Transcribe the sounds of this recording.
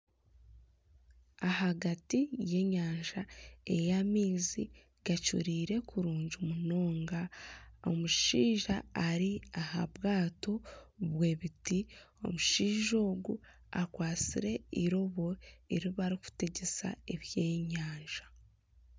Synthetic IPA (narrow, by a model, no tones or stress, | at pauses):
ahaɡatije̞ɲaːɲʒae̞jamiːzi | ɡat͡ʃṵɾiːɾe̞kuɾuːɲɟumuno̞ːŋɡao̞̰muʃiːʒaːɾiaha̰βɡaːto̞βwe̞ːβitio̞̰muʃiːʒo̞ːɡu | akwaːt͡sḭɾe̞iɾo̞βo̞eɾiβaɾiku̥teɟe̞sa̰eβjeːɲaːɲʒḁ